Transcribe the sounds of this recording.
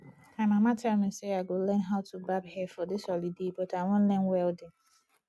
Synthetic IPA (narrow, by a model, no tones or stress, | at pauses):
ãmãmãtʰamɪ̃seaɡolɛ̃nɦaʊtʰubabhɛfɔdɪsɔlidebɔtawɔ̃n̩lɛ̃nwɛldɪ̃ŋ